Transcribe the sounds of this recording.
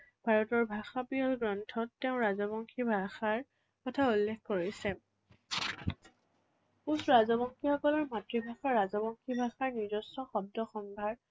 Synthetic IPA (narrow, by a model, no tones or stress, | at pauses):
b̥ʱaɹɔtɔɹbʱaxapiɔlɡɹɔntʰɔtːeʊ̃ɹazɔbɔŋkʰibʱaxaɹ | kɔtʰaulːekkoɹisɛ | usɹazɔbɔŋkʰixɔkɔlɔɹmatɹibʱaxaɹazɔbɔŋkʰibʱaxaɹniɹzɔsɔxɔb̚dɔxɔnbʱaɹ